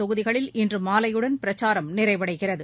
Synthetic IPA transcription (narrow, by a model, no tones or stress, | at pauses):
ɔɣɯðɪɣɐɭɪlɪndrɯmaːlɐjɯɽɐnpɪɾɐt͡ʃaːɾɐmnɪrɐɪʋɐɽɐɪɣɪrɐðɯ